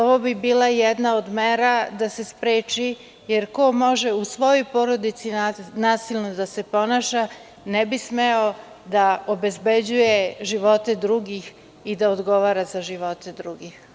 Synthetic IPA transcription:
oʋo̞bibiːlˠajɛd̪naod̪meːɾad̪ase̞spɾeːt͡ʃi | jeɾko̞mo̞ʒeusʋo̞jojpo̞ɾo̞d̪it̪sinaːsilnod̪ase̞po̞naːʃa | nebismeo | d̪aobe̞zbe̞d͡ʑujeʒiʋo̞t̪e̞d̪ɾuːɡix | id̪aod̪ɡo̞ʋaːɾazaʒiʋo̞t̪e̞d̪ɾuɡix

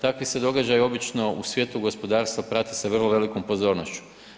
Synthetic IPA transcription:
t̪akʋised̪o̞ɡad͡ʒajo̞bit͡ʃno̞usʋje̞ːt̪uɡo̞spo̞d̪aːɾst̪ʋapɾat̪iseʋr̩lˠoʋe̞liko̞mpo̞zo̞ːɾnoʃt͡ʃu̥

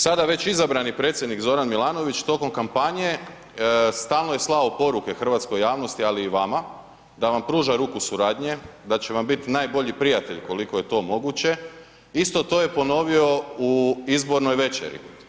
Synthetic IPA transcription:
sad̪aʋe̞t͡ɕizabɾanipɾet̪sʲje̞d̪nikzo̞ɾanmilˠaːno̞ʋit͡ʃt̪o̞ko̞mkampaɲe̞ | st̪aːlnoje̞slˠaopo̞ɾuke̞xr̩ʋat̪sko̞jaːʋno̞st̪ialiːʋama | d̪aʋampɾuːʒaɾuːkusuɾaːd̪ɲe̞d̪at͡ɕe̞ʋambit̪naːjbo̞ʎipɾijat̪e̞ʎko̞liko̞je̞t̪o̞ːmo̞ɡut͡ɕe̞ | ist̪o̞t̪o̞ːje̞po̞no̞ʋio̞uizbo̞ɾno̞jʋe̞t͡ʃḛɾḭ

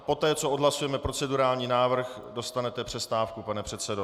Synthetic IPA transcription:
po̞t̪ɛːt͡soʔodɦlasujɛmɛpɾot͡sɛduɾaːlɲiːnaːvr̩x | do̞st̪anɛt̪ɛpr̝̥ɛst̪aːfkupanɛpr̝̥ɛt̪sɛdo

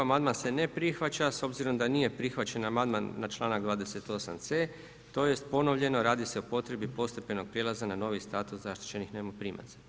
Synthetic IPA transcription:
amand̪manse̞ne̞pɾixʋat͡ɕaso̞bziɾo̞md̪anije̞pɾixʋat͡ɕenamand̪manːat͡ʃlˠaːnaɡd̪ʋaːd̪e̞se̞t̪o̞sa̰mt̪se̞ː | t̪o̞je̞st̪po̞no̞ʋʎe̞no̞ɾaːd̪ise̞opo̞t̪ɾe̞bipo̞st̪e̞pe̞no̞ɡ̚pɾjelˠazanano̞ʋist̪aːt̪uszaʃt̪i̥t͡ɕe̞nixneːmopɾima̰zḁ

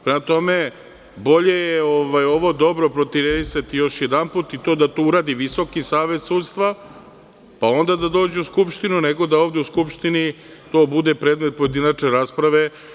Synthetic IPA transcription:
pɾemat̪o̞me̞ | bo̞ʎe̞jeo̞ʋajo̞ʋo̞d̪o̞bɾo̞pɾot̪iɾeɾisat̪ijo̞ʃjed̪anput̪it̪od̪at̪ouɾaːd̪iʋiso̞kisaːʋe̞t̪suːd̪st̪ʋa | pao̞nd̪ad̪ad̪o̞ːd͡ʑeuskupʃt̪inuneɡo̞d̪aovd̪e̞uskupʃt̪ini | t̪o̞ːbud̪epɾeːd̪me̞t̪̚po̞je̞d̪inat͡ʃneɾaːspɾaʋe̞

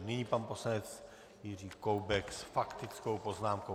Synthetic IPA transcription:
niɲiːpanposlanɛt͡s | jɪriːkowbɛksfakt̪ɪt͡skowpoznaːmko

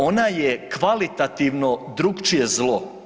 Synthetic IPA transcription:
onajekʋalit̪at̪iʋno̞d̪ɾuɡt͡ʃije̞zlˠo̞

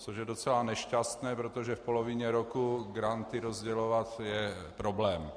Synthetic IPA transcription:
t͡soʃjɛdot͡sɛlanɛʃcast̪nɛːpɾot̪oʒɛfpolovɪɲɛɾokuɡɾant̪ɪɾozɟɛlovat̪jɛ | pɾoblɛːm

